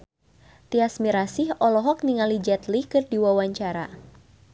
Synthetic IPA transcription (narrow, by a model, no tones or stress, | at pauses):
t̪iasmiɾasihɔlɔɦɔk̚niŋalid͡ʒɛt̪likɨrdiwawaɲt͡ʃaɾa̰